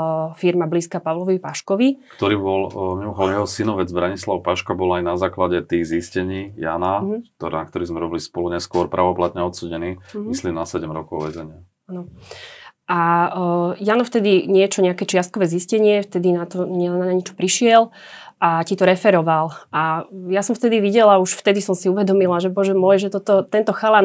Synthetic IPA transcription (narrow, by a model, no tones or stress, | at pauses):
fiɾmabliːskaːpaʋlɔʋɔʋipaʃkɔʋikt̪ɔɾiːbɔlmimɔxʊɔd̪ɔmjɛɦɔsinɔʋɛd͡zbɾaɲislaʊpaʃkabɔlajnazaːklaɟɛt̪iːɣziscɛɲiːjanakt̪ɔnak̚t̪ɔɾiːzmɛɾɔbilispɔluɲɛskʊɔɾpɾʔaːʋɔplat̪ɲɛɔt̪suːɟɛniːmisliːmnasɛɟɛmɾɔkɔʊʋɛzɛɲɪa | anɔ | ʔa | janɔft̪ɛd̪iɲɪɛt͡ʃɔɲɛakɛːt͡ʃɪast̪̚kɔʋɛːziscɛɲɪɛft̪ɛd̪inat̪ɔɲɛnaɲaɲɛt͡ʃɔ̥pɾiʃɪɛl | ʔacit̪ɔɾɛfɛɾɔʋalʔajasɔmft̪ɛd̪iʋiɟɛlauʃft̪ɛd̪isɔmsiuʋɛd̪ɔmilaʒɛbɔʒɛmɔjʒɛt̪ɔt̪ɔt̪ɛnt̪ɔxala